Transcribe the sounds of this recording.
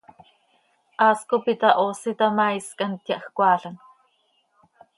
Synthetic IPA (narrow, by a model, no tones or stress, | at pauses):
ʔaːskopit̪aʔoːsit̪amaiskant̪jaʔxkʷɑːɬan